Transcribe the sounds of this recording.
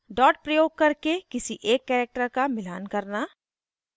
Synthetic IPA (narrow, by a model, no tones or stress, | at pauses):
ɖɔːʈ̚pɾɐjoːɡ̚kɐɾkekɪsiʔeːkːɛːɾek̚ʈəɾkamɪlaːnkɐɾnaː